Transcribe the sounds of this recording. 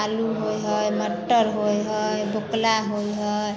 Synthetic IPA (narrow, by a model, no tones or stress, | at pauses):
aluɦojɦɔjməʈːəɾɦojɦɔjboklaɦojɦʌɔj